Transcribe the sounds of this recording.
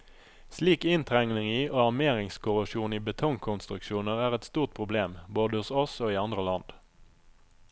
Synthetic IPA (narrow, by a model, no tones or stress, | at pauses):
sliːkɪnt̪ʰʁɛŋnɪŋiːʔoːɑʁmeːʁɪŋskʊʁʊʃuːniːbət̪ʰɔŋkʰʊnst̪ʁʉkʃuːnəʁæːʁɛt̪st̪uːʁt̪̚pʰʁʊbleːmboːd̪əhʊsɔsoːiːɑnd̪ʁəlɑnd̪̥